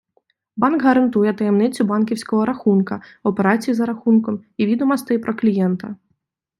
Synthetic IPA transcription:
banɡɣɐɾɐnt̪ujɛt̪ɐjɛmnɛt͡sʲubankʲiwsʲkɐɣɐɾaxunkɐɐwpʲɛɾasʲijizɐɾaxunkɐmivʲid̪umast̪ɨpɾɐklʲijɛnt̪ɐ

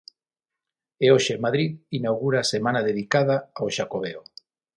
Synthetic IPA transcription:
eoʃemaðɾiðinawɣuɾasemãnaðeðikað̞aawʃakoβeo

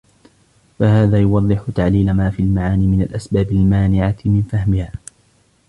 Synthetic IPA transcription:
fahaːðaːjʊwɑðˤːɨħʊt̪aʕliːlamaːfiːalmaʕaːniːmɪnalʔasbaːbalmaːnɪʕamɪnfahmɪhaː

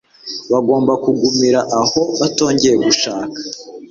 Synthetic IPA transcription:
βaɡo̞ːmbakuɡumiɾaʔaho̞βato̞ːɲɟe̞jeɡuʃaːkḁ

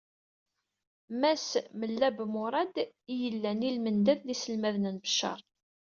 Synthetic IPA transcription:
mæsməlːæbmʊɾˤɑd̪ijəlːænilmənd̪æðlisəlmæðnənbə̥ʃːɑ̰ɾˤ

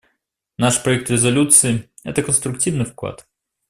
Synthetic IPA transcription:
naʂpɾɐɛk̚t̪ɾʲɪzɐlʲut̪sɨɪ | ɛ̰t̪əkənst̪ɾʊk̚tʲivnɨfklˠa̰t̪

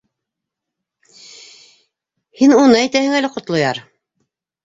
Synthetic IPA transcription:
hinunɤæjt̪æhɘŋælɘqŏt̪lˠŏjɑɾ

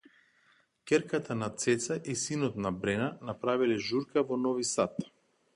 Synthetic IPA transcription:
kʲɛɾkat̪ʰanat̪sɛt̪saʔisinɔt̪nabɾɛnanapɾavilɛʒuɾkavɔnɔvisat̪

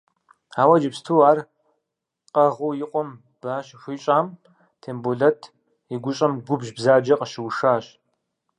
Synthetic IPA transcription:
aːwɐd͡ʒɪpstʰuːaːr | qʼɐʁuːjɪqʷʼɔm | b̥aːɕɕʷiːɕʼaːm | tʰeːmboɮɐtʰ | iɡʷʊɕʼɐmɡʷʊbʒbzaːd͡ʒɐqʼəʃɪwʂaːɕ

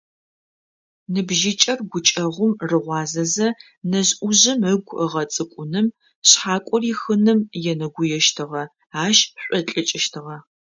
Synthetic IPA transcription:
nɨbʒit͡ʃʼɐrɡʷʊt͡ʃʼɐʁʷʊmrɨʁʷɑːzɐzɐ | nɐʑʔʷʊʑɪməɡʷʰəʁɐt͡sʼɨkʷʼʊnɨm | ɕħaːkʷʼɔriːxɨnɨmjɛnɐɡʷʊjɛʃtʰɨʁɐ | aːʃɕʷʼɔt͡ɬʼɨt͡ʃʼɪʃtʰɨʁɐ

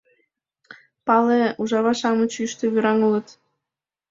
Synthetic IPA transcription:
pɑleuʒɑβɑʃɑmə̆t͡ɕyʃt̪ĕβyɾɑŋulɤ̆t̪

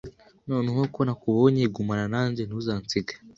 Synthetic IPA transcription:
noːneɦekonakuβoɲeiɡumananaːɲd͡ʒenuzaːnt͡siɡḁ

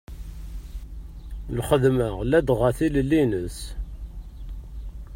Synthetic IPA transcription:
lχəðməʁlæd̪ʁæθiləlːinəs

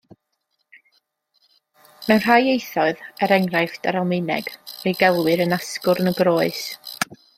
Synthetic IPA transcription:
mɛwnr̥aːjejθɔɨðəɾɛŋrajfdaɾalˠmɪnɛ̰ɡ̥rejɡɛlˠwɨɾənaskʊrnəɡroːɨs

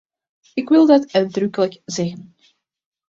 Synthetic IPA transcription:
ɪkʋɪlˠdɑtœɥ̚drɵkələkzɛɣən

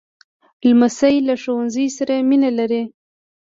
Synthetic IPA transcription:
lmasajlaʃowanzəjsaɾaminalaɾi

